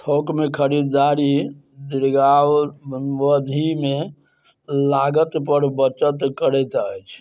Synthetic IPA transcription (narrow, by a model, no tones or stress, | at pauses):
t̪ʰokmekʰəɾid̪d̪aɾi | d̪iɾɡawʋəd̪ʱime | laɡət̪pəɾbət͡ʃət̪kəɾɛt̪əjt͡ʃʰ